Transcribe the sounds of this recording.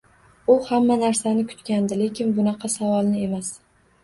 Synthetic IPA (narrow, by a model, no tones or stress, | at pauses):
ʊhamːanaɾsanɪkʰʊ̥t̪kʲand̪ɪle̞kʲʰɪnbʊnɑqʰɑsavɒlˠnɪe̞mas